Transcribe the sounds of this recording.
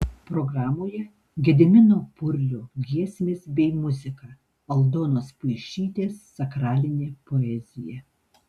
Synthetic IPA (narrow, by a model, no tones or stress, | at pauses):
pɾoɡɾɑːmoːjɛ | ɡʲɛd̪ʲɪmʲɪnoːpʊɾʲlʲʊɡʲiɛsʲmʲeːsbʲɛɪmʊzʲɪkɑː | ɐlˠd̪oːnoːspʊɪʃʲiːt̪ʲeːsːɐkɾɑːlʲɪnʲeːpoɛzʲɪjɛ